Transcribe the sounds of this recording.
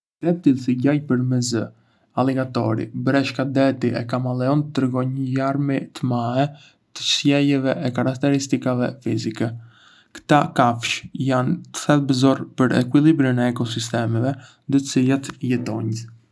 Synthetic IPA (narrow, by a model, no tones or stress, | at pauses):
d̪ɛp̚t̪ilsiɟajpəɾmɛzə | alɛɡat̪ɔɾḭbɾɛʃkad̪ɛt̪iʔɛkamalɛɔnt̪ɾəɡɔɲəjaɾmit̪əmaɛ | t̪ə̥ʃjɛjɛvɛʔɛkaɾak̚t̪ɛɾist̪ikavɛfizikɛ | kt̪akafʃjant̪ə̥θɛlˠbəzɔɾpəɾɛ̰kwilˠibɾənɛːkɔsist̪ɛmɛvɛnd̪ət͡silat̪jɛt̪ɔɲ